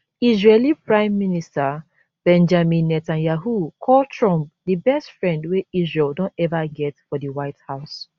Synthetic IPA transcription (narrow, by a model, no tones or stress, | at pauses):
izɹelipɹãɪ̃mːinista | b̥ɛ̃nd͡ʒamĩnːɛtãnjaɦukʰɔltɹɔ̃mp̚dibɛstfɹɛ̃ndweizɹɛldõntɛvaɡɛtfɔdiwaɪthaʊs